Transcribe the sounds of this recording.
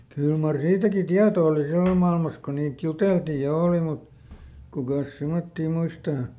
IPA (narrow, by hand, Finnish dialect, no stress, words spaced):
kyl mɑr siːtæki tiɑto oli silːom mɑilmɑs ko niːt juteltiː jɑ oˑli mut kukɑˑs semotːiː muistɑː